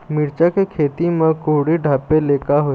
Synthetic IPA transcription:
mɪɾt͡ʃakekʰeːt̪imẽkoːɽiɖʱaːpːeleːkaɦo

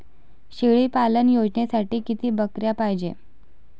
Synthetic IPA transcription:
ɕeɭiːpalənjod͡ʑnesaʈiːkit̪iːbəkɾjapajd͡ʑḛ

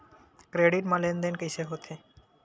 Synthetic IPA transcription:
kɾeɖiʈmãlend̪enkəjseɦot̪ʰe

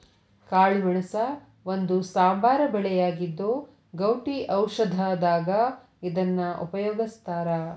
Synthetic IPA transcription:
kaːɭimɐɳɐsɐ | ʋond̪usaːmbʱaːɾɐbɛɭɛjaːɡid̪ːoː | ɡɐwʈiʔɐwʃɐd̪ʱɐd̪aːɡɐ | id̪ɐnːɐʔṵpɐjɔːɡist̪aːɾɐ

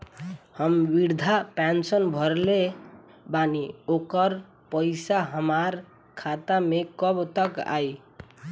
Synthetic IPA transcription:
həmbiɾd̪ʱapansənbʱʌɾle | baniokəɾ | pəjsaɦəmaɾ | kʰat̪amekʌbt̪ʌka̰j

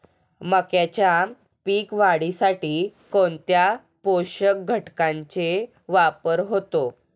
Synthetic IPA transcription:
məkjat͡ɕja | piːkʋaɽisaʈiːkoɳt̪ja | poɕək̚ɡʱəʈkãɲt͡ɕe | ʋapəɾɦot̪o

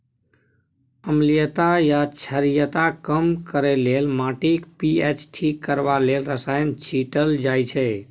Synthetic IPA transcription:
əmlijət̪ajat͡ʃʰəɾijət̪akəmkəɾelelmãːʈikpiet͡ʃʈʰikːəɾʋalelɾəsaːjənt͡ʃʰiʈəld͡ʒaːjt͡ʃʰe

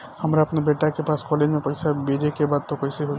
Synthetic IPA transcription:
hɐmɾaɐpnebeːʈakepaːskɔːled͡ʒmẽpɐɪsabed͡ʒekebaːd̪̚t̪opɐjseɦo

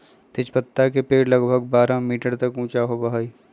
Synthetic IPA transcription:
t̪ɪt͡ʃpət̪ːakepeːɽlɐɡbʱəɡ̚baːɾamiːʈəɾt̪ɐkũːt͡ʃaɦobɐɦaːiː

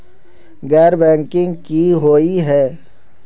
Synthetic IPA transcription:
ɡɛːɾbɛ̃ːŋkɪ̃ŋɡkiɦoːiɦɛː

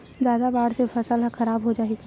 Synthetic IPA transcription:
zjaːd̪abaːɽsefɐsəlɦxɐɾaːbɦod͡ʒaːeɡi

